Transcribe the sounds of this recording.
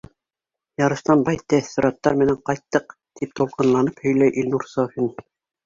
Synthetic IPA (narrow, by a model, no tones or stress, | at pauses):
jɑɾɤ̆ʃt̪ɑnbɑjt̪æθŏɾɑt̪ːɑɾmɘ̆næɴqɑjt̪ːɤq | t̪ʰip̚t̪ulˠqɤ̆nlˠɑnɤphɵ̆jlæjʔilʲnuɾsɑfin